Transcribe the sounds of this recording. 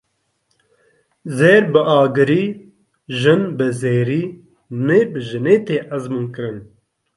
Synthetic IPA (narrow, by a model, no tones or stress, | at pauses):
zeːɾbɨʔaːɡɨɾiː | ʒɨnbɨzeːɾiː | neːbɨʒɨneːt̪eːʔɐzmuːnkɨɾɨn